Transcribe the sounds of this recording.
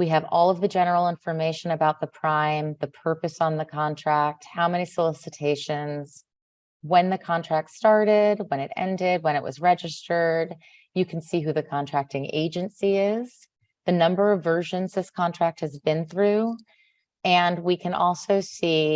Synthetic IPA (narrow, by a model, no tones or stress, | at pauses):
wiɨvɔlˠʌvðɨd͡ʒɛnə˞l̩ˠɪ̃ɱfə˞meɪʃɨ̃nɨbaʊt̪̚ðəpʰɹ̥ãɪ̃mðɨpʰɜ˞pɨsn̩ðɨkʰɑ̃ntʰɹ̥æk̚t̚haʊmɛñisəlɪsɨtʰeɪʃɨ̃nz̥ | wɨ̃nðɨkʰɑ̃ntʰɹ̥æk̚tstɑɹɾɪd̚wə̃ñɨɾɛ̰̃ndɪd̚wə̃ɾ̃ɨʔwʌ̰zɹɛd͡ʒɨstə˞d | jɨkʰn̩siɦʉðɨkʰɑ̃ntʰɹ̥æk̚tɪ̃ŋḛɪd͡ʒɨ̃nsiɪz̥ | ðɨnʌ̃mbə˞ʌvɜ˞ʒɨ̃nzðɪskʰɑ̃ntʰɹ̥æk̚t̚hɨzbɨ̃nθɹʉ | ɨ̃nwikʰɨ̃nʔɔ̰lˠsoʊsi